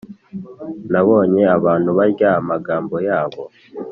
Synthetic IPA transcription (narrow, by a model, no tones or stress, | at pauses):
naβo̞ːɲe̞aβaːn̥huβaɾɟaamaɡaːmbo̞jaːβo̞